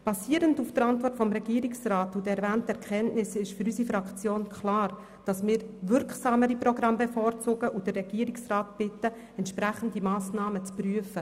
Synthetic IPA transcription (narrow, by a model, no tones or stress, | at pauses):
b̥ɑsiːəɾəndufd̥əɾɑntvɔrtfɔmɾɛɡiːəɾɪksraːtʊdɛɾvæːntɛɾkʰχɛntnɪsɪʃfyɾysifɾɑkt͡sjoːnkʰχlɑːɾ | d̥ɑsmɪːɾvʏɾksɑːməɾiprɔɡrɑmbefoːɾt͡sʊːɡəʔʊdərːɛɡ̥iəɾɪksraːtb̥ɪtːə | ɛntʃpɾæχəndimɑːsnɑːmət͡spryəfə